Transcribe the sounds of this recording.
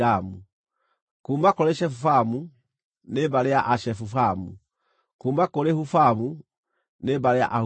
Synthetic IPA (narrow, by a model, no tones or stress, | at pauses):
amu | kuːmbakɔɾeʃɛfufamu | nebaɾejaʔaʃɛfufamu | kuːmbakɔlehufamu | nebaɾeja̰ʔa